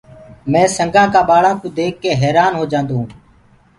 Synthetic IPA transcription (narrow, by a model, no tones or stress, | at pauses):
mɛ̃ːsəŋɡãːkaːɓaːɭãːk̪ũːd̪eːkːeːɦɛːɾaːnɦoːd͡ʒãːnd̪ũː